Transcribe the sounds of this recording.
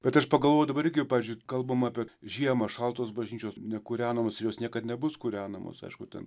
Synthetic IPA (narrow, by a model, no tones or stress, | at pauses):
bʲɛt̪ɐʃpɐɡɐlˠʋoːjʊd̪ɐbɐɾɪrɡʲɪjpɑːʋiːzʲd͡ʒʊɪkɐlˠbɐmːpʲiɛʒʲiɛmɐʃɑlˠt̪oːsbɐʒʲnʲiːt͡ʃʲoːsnʲɛkuːɾʲæːnɐmoːsɪɾjoːsnʲiɛkɐt̪nʲɛbʊskuːɾʲæːnɐmo̰sɐ̰ɪʃkʊt̪ʲɛ̰n